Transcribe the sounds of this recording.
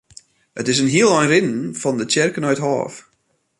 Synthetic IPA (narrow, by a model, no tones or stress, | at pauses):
ʔətɪzənɦiəlˠɔjnrɪnnfɔndət͡ʃɪrkənœɥtɦɑ̰ːf